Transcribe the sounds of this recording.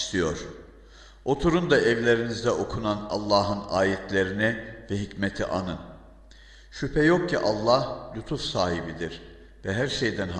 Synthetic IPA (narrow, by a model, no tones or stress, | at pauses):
st̪ʰijoɾ̥ | o̞t̪ʰuɾund̪aʔɛvlʲe̞ɾinizd̪ɛʔo̞kʰunana̰lˠːaːɦɯnaːjɛt̪ʰlʲe̞ɾinivɛɦicmet̪ʰḭʔanɯn | ʃypʰɛjo̞k̚cʰiʔalˠːahlʲut̪ʰufsaːɦibid̪iɾ̥ | vɛɦæɾʃejd̪ænɦ